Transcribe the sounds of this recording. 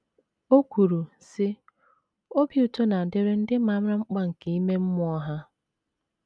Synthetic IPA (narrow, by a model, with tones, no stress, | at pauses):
o˦kʷu˨ɾu˨ | sɪ˦ | o˦bju˨to˦na˨dɪ˦ɾe˦n̩˦dɪ˦ma˦m˦ɾa˦ŋ͡m̩˦k͡pa˦ŋ̩˨ke˨i˦me˦m̩˦mʊ˦ɔ˦ɦa˦